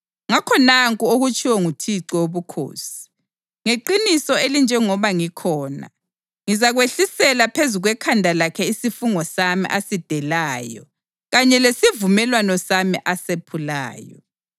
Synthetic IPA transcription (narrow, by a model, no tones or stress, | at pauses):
ŋakʰɔnaŋkʼuoɣut͡ʃʰʼiwɔŋutʰiǀɔoβukʰo̰ːsi̥ | ŋeǃinisɔelind͡ʒʱɛŋɔβaŋikʰɔːna̰ | ŋizaɣweɬisɛlapʰezuɣwɛkʰandʱalakʰɛisifuŋɔsamḭʔasid̥ʱɛlaːjɔ | ɣaɲɛlesivumɛlwanɔsamiʔasepʰula̰ːjɔ̰